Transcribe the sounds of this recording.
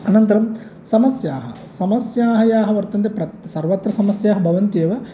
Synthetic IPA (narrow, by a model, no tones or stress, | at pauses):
ɐnɐnt̪ɐɾɐm | sɐmɐsjaːɦɐ̰ | sɐmɐsjaːɦɐjaːɦɐʋɐɾt̪ɐnt̪̬epɾɐt̪sɐɾʋɐt̪ɾɐsɐmɐsjaːɦɐbʱɐʋɐnt̪ijɐʋɐ